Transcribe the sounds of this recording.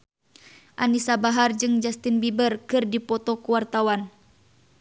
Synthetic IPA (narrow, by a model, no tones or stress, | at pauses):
ʔanisabaɦard͡ʒɨŋd͡ʒast̪inbibərkɨrdipɔt̪ɔkuwart̪awan